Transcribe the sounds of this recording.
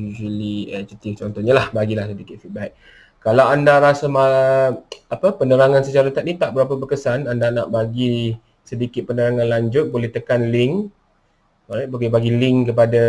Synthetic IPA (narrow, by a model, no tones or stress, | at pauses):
ud͡ʒəliɛd͡ʒut̪ift͡ʃɔnt̪ɔɲalahbaɡilahsədikɪt̪̚fit̪̚baiʔ̚ | kalawandaɾasama | apəpənəɾaŋansət͡ʃaɾət̪at̪̚nit̪aʔ̚bəɾapəbəkəsanandanaʔbaɡi | sədikɪt̪̚pənəɾaŋãnlaɲd͡ʒʊt̪̚bolɛht̪əkanlɪŋ | aɾaboɡɛbaɡilɪŋkəp̬ada